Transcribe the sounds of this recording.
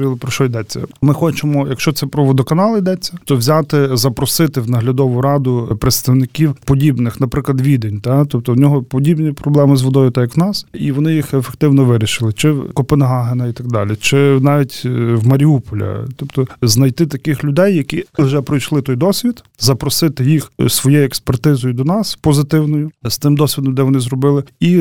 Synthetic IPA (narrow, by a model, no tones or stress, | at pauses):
ilˠpɾɔʃɔjd̪ɛt͡sʲːɐ̰mɪxɔt͡ʃemɔjɐkʃt͡ʃɔt̪sɛpɾɔʋɔd̪ɔkɐnɑlˠɐjd̪ɛt͡sʲːɐt̪ɔʋzʲɑt̪ɪzɐpɾɔsɪt̪ɪwnɐɦlʲɐd̪ɔʋʊɾɑd̪ʊpɾeɪt̪st̪ɐwnɪkʲiwpɔdʲibnɪxnɐpɾɪklˠɐd̪ʋʲid̪enʲt̪ɑt̪ɔp̚t̪ɔwnʲɔɦɔpɔdʲibnʲipɾɔblˠɛmɪzʋɔd̪ɔjʊt̪ajɐknɑsiʋɔnɪjixefek̚t̪ɪwnɔʋɪɾʲiʃɪlˠɪt͡ʃɪkɔpenɦɑɦenɐit̪ɐɡ̚d̪ɑlʲit͡ʃɪnɑʋʲitʲwmɐɾʲiupɔlʲɐ̰t̪ɔpt̪ɔznɐjt̪ɪt̪ɐkɪxlʲʊd̪ɛjːɐkʲiwʒɛpɾɔjʃlˠɪt̪ɔjd̪ɔsʲʋʲid̪ | zɐpɾɔsɪt̪ɪjixsʋɔjɛjɛkspert̪ɪzɔjʊd̪ɔnɑspɔzɪt̪ɪwnɔjʊst̪ɪmd̪ɔsʲʋʲid̪ɔmd̪ɛʋɔnɪzɾɔbɪlˠɪi